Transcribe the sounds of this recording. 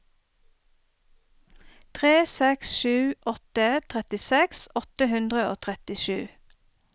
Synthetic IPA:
t̪ʰʁeːsɛksʃʉːʔɔt̪ət̪ʰʁɛt̪ɪsɛksɔt̪əhʉnd̪ʁəoːt̪ʰʁɛt̪ɪʃʉː

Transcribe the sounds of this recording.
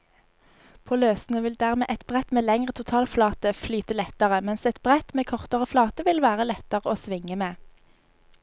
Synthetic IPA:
pʰoːløːsn̩əʋɪld̪æːʁmḛːʔɛt̪bʁɛt̪meːlɛŋʁət̪ʰʊt̪ʰɑːlflɑːt̪əflyːt̪əlɛt̪əʁəmɛnsɛt̪b̥ʁɛt̪meːkʰɔʁt̪əʁəflɑːt̪əʋɪlʋæːʁəlɛt̪əʁəoːsʋɪŋəmeː

